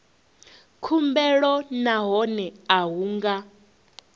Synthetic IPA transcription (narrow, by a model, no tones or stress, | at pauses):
kʰumbɛɺɔnaɦɔnɛaɦuːŋɡa